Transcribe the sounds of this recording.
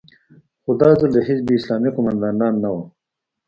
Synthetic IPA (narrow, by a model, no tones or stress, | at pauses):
xod̪ɑːzəld̪əɦit͡sbiːslɑːmiqʊmand̪ɑnd̪ɑːnːawa